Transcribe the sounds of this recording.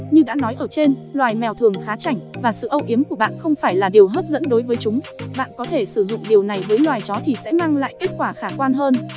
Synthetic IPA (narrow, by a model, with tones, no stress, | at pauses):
ɲɨ˧ɗa̰ː˧˥nɔ˨˦jʔəː˧˩t͡ɕe˧nlwaː˨˩jmɛ˨˩wt̪ʰɨ˨˩əŋxaː˨˦t͡ɕa˧˩jŋ̟vaː˨˩sɨ̰˧˨ʔə˧wʔi˨˦əmku˧˩əɓa̰ː˧˨nxə˧wŋ͡mfaː˧˩jlaː˨˩ɗi˨˩əwɦəː˦˥t̚zə̰˧˥nɗo˨˦jvəː˨˦jt͡ɕʊ˨˦ŋ͡m | ɓa̰ː˧˨nkɔ˨˦t̪ʰe˧˩sɨ˧˩zʊ̰˧˨ŋ͡mɗi˨˩əwna˨˩jvəː˨˦jlwaː˨˩jt͡ɕɔ˨˦t̪ʰi˨˩sɛ̰˧˥maː˧ŋla̰ː˧˨jke˦˥t̚kwaː˧˩xaː˧˩kwaː˧nɦəː˧n